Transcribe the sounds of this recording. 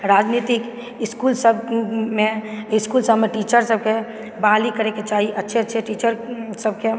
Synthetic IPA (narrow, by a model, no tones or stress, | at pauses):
ɾaːd͡ʒnit̪ɪk | ɪskulsəbmẽɪskulsəbmẽʈiːt͡ʃəɾsəb̚ke | baːlikəɾeket͡ʃaːɦiʔətːʃʰeətːʃʰeʈiːt͡ʃəɾsəbke